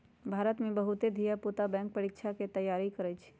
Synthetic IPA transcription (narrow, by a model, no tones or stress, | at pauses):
bʱaːɾət̪mẽbɐɦʊt̪ed̪ʱijaput̪abɛ̃ːŋk̚pəɾɪkʃʰaket̪ɐjːaːɾikɐɾət͡ʃʰ